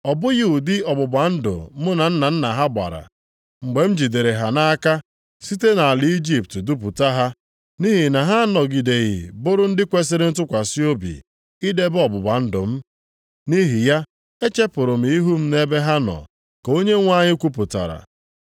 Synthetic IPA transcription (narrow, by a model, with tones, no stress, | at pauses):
ɔ˨bʊ˦ɣɪ˦u˨dɪ˦ɔ˨bʊ˨ba˨n̩˦dʊ̰˨˦mʊ˦na˨n̩˦na˨n̩˦na˨ɦa˦ɡ͡ba̰˨ɾa̰˨ | ŋ͡m̩˨ɡ͡be˨m̩˦d͡ʒi˨de˨ɾe˨ɦa˨na˦a˦ka˦ | si˦te˦na˨a˨lɪ˨˦i˦d͡ʒi˦p̚tdu˦p̬u˨ta˦ɦa˦ | ni˦ɦi˨na˨ɦa˦nɔ˨ɡi˨de˨ɣɪ̰˨bʊ˦ɾʊ˦n̩˦dɪ˦kʷe˦s̬ɪ˦ɾɪ˦n̩˦t̬ʊ˦kʷa˨si˦o˦bḭ˨ | i˦de˦bɔ˨bʊ˨ba˨n̩˦dʊ̰˨m̩˦ | ni˦ɦi˨ja˦ | e˦t͡ʃe˦pʊ˨ɾʊ˨m̩i˨i˦ɦu˦m̩˦ne˦be˦ɦa˦nɔ̰˨ | ko˦ɲe˦ŋʷ˦a˦ɲɪ˦kʷu˦pʊ˨ta̰˨ɾa̰˨